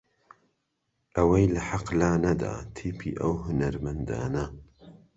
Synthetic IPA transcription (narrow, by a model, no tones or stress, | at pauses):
ʔɐwɐjlɐħaqlaːnɐd̪a̰ːt̪ʰiːpʰḭːʔɐ̰wɦʊnɐɾmɐnd̪a̰ːnɐ